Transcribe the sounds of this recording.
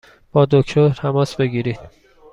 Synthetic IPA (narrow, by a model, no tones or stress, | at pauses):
b̥ɒːd̪okʰt̪ʰoɾt̪ʰæmɒːsbe̞ɡiːɾiːd̪̥